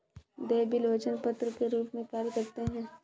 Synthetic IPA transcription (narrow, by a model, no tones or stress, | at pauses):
d̪eːbɪlʋɐt͡ʃənpɐt̪ɾəkeɾuːpmẽkaːɾjəkɐɾt̪eɦɛ̃ː